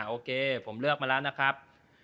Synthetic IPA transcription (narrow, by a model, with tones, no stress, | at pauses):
ʔoː˧kʰeː˧pʰo˩˦mlɯ˥˩ək̚maː˧lɛ˦˥wna˦˥kʰɾa˦˥p̚